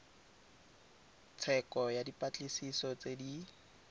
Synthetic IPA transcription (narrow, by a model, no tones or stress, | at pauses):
t͡sʰɛkɔjadipʼat͡ɬʼisisɔt͡sedi